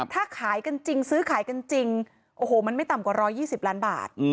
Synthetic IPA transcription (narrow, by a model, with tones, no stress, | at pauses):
t̪ʰaː˥˩kʰaː˩˦jka˧nt͡ɕi˧ŋsɯː˦˥kʰaː˩˦jka˧nt͡ɕi˧ŋ | ʔoː˧˩hoː˨˩ma˧nma˥˩jt̪a˨˩mkwa˨˩ɾɔː˦˥jːiː˥˩si˨˩p̚laː˦˥nba̰ː˨˩t̪̚ː